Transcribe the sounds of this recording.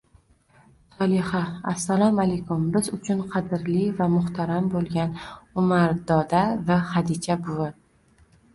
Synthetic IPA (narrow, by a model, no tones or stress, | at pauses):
sɒlˠɪhaasːalɒmalejkʊmbɪzʊt͡ʃʰʊnqʰɑd̪ɪɾlivamʊht̪ʰaɾambolˠɡʲanʊmaɾd̪ɒd̪avahad̪it͡ʃʰabʊwan